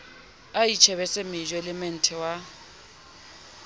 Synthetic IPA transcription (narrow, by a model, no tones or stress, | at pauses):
ait͡ʃʰɛβɛsemɪd͡ʒwelɛmɛn̩tʰʼɛwa